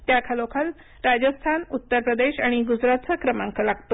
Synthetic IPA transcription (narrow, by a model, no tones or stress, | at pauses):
t̪jakʰalokʰal | ɾad͡ʑəst̪ʰanut̪ːəɾpɾəd̪eɕaɽ̃iɡud͡ʑɾat̪səkɾəmãŋkəlaɡt̪o